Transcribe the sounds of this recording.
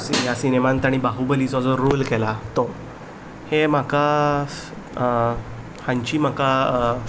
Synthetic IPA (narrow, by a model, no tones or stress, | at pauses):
sijasinemant̪aɽ̃ibaɦubəlit͡sɔd͡zɔɾolkɛlat̪ɔ | hem̤aka | hãɲt͡ɕiːm̤aka